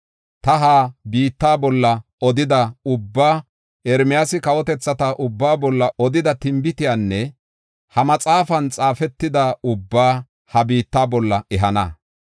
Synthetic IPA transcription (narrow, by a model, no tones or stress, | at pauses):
t̪ɐɦaːbiːt̪ːaːbɔlːɐ | ɔd̪ɪd̪ɐʊbːaː | ɛɾmɪjasɪkɐwɔt̪ɛt͡sːɐt̪ɐʔʊbːaːbɔlːɐʔɔd̪ɪd̪ɐt̪ɪmbɪt̪ɪjaːnːɛ | hɐmɐt͡sʼaːfɐnt͡sʼaːfɛt̪ːɪd̪aʊbːaː | hɐbiːt̪ːaːbɔlːɐɛɦɐnɐ